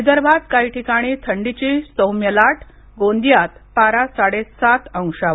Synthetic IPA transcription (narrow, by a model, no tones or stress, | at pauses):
ed̪əɾbʱad̪kaiʈʰikaɽ̃it̪ʰəɳɖit͡ɕisəwmjəlaʈʰ | ɡond̪jat̪paɾasaɽesat̪ə̃w̃ʂa